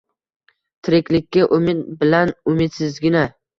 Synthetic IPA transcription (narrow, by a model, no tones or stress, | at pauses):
t̪ʰɪɾɪkʲlɪkʲːaʔʊmɪt̪̚bɪlanʊmɪt̪sɪzɡʲɪna